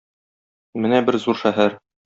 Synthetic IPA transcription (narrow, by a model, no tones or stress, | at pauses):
mɘnæbɘɾzuɾʃæɦæɾ